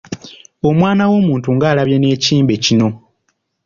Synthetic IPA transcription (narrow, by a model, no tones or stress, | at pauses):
o̞mwaːnawo̞ːmuːntuŋɡaːlaβje̞ne̞ːciːmbe̞cino̞